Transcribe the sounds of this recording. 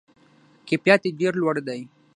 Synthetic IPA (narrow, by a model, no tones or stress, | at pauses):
kepjɑt̪eɖeɾlwaɽd̪aj